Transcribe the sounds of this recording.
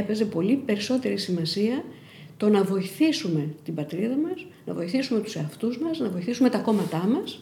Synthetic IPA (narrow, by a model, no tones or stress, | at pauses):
epe̞ze̞po̞lipe̞ɾiso̞t̪e̞ɾisimɐsiɐ | t̪o̞nɐvo̞iθisume̞t̪ibɐt̪ɾiðɐmɐs | nɐvo̞iθisume̞t̪u̥se̞ɐft̪uzmɐsnɐvo̞iθisume̞t̪ɐko̞mɐt̪ɐmɐs